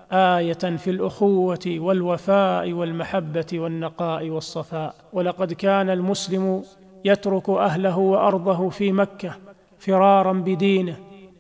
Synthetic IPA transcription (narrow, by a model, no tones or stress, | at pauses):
ʔaːjafilʔʊxʊwːat̪ɪwalwafaːʔɪwalmaħabːat̪ɪwanːɑqɑːʔɪwɑsˤːɑfaːʔ | walɑqɑd̪kaːnalmʊslɪmʊ | jat̪ɾʊkʔaɦlaɦʊwɑʔɑɾˤd̪ˤɑɦʊfiːmakːa | fɪɾˤɑːɾˤɑnbɪd̪iːnɪh